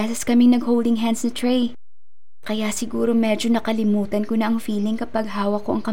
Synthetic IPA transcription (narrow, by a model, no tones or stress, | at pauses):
ɛsɛskɐmɪŋnɐɡhowld̪ɪŋɦansnɐt̪ɹej | kɐjasɪɡuːɾomɛːd͡ʒo̞nɐkɐlɪmuːt̪ɐnkonɐʔɐŋfiːlɪŋkɐpɐɡ̚ɦaːwɐkːoʔɐŋkɐ